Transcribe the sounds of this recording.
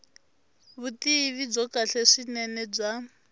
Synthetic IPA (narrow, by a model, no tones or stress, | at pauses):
βutiβib͡ʐɔkaɬɛʂinɛnɛb͡ʐʷa